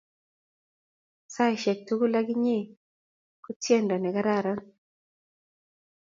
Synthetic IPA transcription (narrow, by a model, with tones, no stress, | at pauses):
sa˦˨ʃɛ˨k̚tu˦ɡu˦la˦ɡɪ˦ɲe˦ | ku˦tjɛ˦˨ndɔ˨nɛ˨ka˦ɾa˦˨ɾɔ˦n